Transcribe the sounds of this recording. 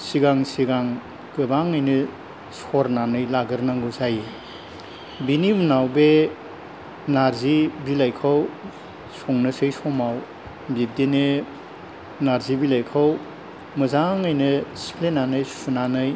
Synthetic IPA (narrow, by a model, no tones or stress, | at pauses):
siɡaŋsiɡaŋ | kɯbaŋɯjnɯ | sɔɾnanɯjlaɡɯɾnaŋɡuzaje | binimunawbe | naɾzibilajkʰaw | sɔŋnɯsɯjsɔmaw | bib̚dene | naɾzibilajkʰaw | mɯzaŋɯjnɯsi̥pʰlenanɯjsu̥sunanɯj